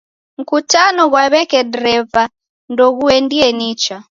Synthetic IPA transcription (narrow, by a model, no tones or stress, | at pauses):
ŋ̩kutanɔɣwaβɛkɛdɾɛva | ndɔɣuɛndiɛnit͡ʃa